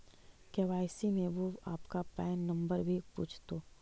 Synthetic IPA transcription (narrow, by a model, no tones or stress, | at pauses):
keʋaːɪsimẽʋoaːpkapɛːnːɐ̃mbəɾbʱipṵːt͡ʃʰt̪oː